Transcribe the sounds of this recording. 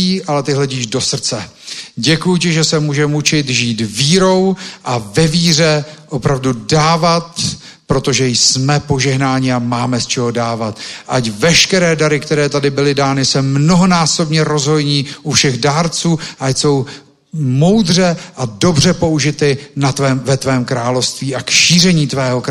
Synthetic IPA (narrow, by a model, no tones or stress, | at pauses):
iːʔalɛt̪ɪɦlɛɟiːʒdo̞sr̩t͡sɛ | ɟɛkujucɪʒɛsɛmuːʒɛmut͡ʃɪt̪ʒiːt̪viːɾo̞wʔavɛviːr̝ɛʔo̞pɾavdudaːvat̪ | pɾo̞t̪o̞ʒɛjsmɛpo̞ʒɛɦnaːɲɪamaːmɛst͡ʃɛɦo̞daːvat̪ʔacvɛʃkɛɾɛːdaɾɪkt̪ɛɾɛːt̪adɪbɪlɪdaːnɪsɛmno̞ɦo̞naːso̞bɲɛɾo̞zɦo̞jɲiːʔufʃɛɣdaːɾt͡suːʔajso̞w | mo̞wd̪r̝ɛʔado̞br̝ɛpo̞uʒɪt̪ɪnat̪vɛːmvɛt̪vɛːmkɾaːlo̞fst̪viːʔakʃiːrɛɲiːt̪vɛːɦok